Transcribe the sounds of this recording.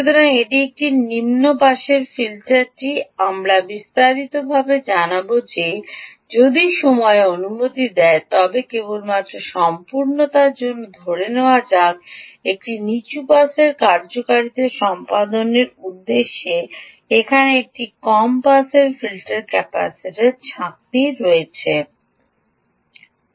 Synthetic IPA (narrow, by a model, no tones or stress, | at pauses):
ut̪ʰɔɾaŋeʈiek̚ʈinimnopaʃeɾfilʈaɾʈiamɾabist̪aɾit̪obʱabed͡ʑanabod͡ʑe | d͡ʑod̪iʃɔmɔeonumot̪id̪ɛet̪ɔbekebolmat̪ːɾoʃɔmpuɾnot̪aɾd͡ʑonːod̪ʱoɽeneoad͡ʑaɡek̚ʈinit͡ɕupaseɾkaɾd͡ʑokaɾid̪eʃɔmpad̪oneɾud̪ːeʃːe | ekʰaneek̚ʈikɔmpaselfilʈeɾkɛpa̰siʈeɾt͡ɕʰak̚niɾoet͡ɕʰe